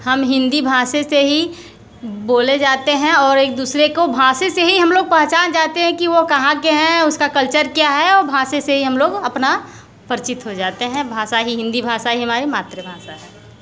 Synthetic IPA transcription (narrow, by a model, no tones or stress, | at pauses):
hɐmɦɪ̃nd̪ibʱaːseseɦi | boːled͡ʒaːt̪eɦɛ̃ɔːɾeːk̚d̪uːsɾekobʱaːsẽseɦiɦɐmloːɡ̚pɐɦt͡ʃaːnd͡ʒaːt̪eɦɛ̃kiʋokɐɦãkeɦɛ̃ʊskakəlt͡ʃəɾkjaɦɛɔːɾbʱaːsẽseɦiɦɐmloːɡɐpna | pəɾt͡ʃɪt̪ɦod͡ʒaːt̪eɦɛ̃bʱaːsaɦiɦɪ̃nd̪ibʱaːsaɦiɦɐmaːɾimaːt̪ɾebʱaːsaɦɛː